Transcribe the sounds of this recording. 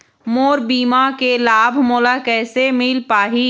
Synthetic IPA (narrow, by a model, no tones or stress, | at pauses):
moːɾbiːmakelaːbʱmoːlakɛːsemɪlpaːɦiː